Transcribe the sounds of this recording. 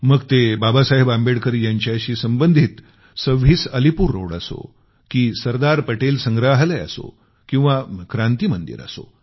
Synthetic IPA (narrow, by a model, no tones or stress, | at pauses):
məɡt̪ebabasaɦebambeɽkəɾijaɲt͡ɕjaɕiːsəmbənd̪ʱiːt̪ | səʋiːsəlipuːɾːo̰ɽaso̰ | kiːsəɾd̪aɾpəʈelsəŋɡɾaɦlaa̰so̰ | kĩw̃ʋakɾãnt̪iːmənd̪ḭɾa̰so̰